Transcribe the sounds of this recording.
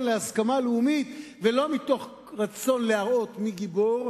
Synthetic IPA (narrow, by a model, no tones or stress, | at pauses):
nleaskamaleumit̪ | ve̞lo̞mit̪o̞χ | ʁat͡so̞nleaʁʔo̞t̪miɡiboʁ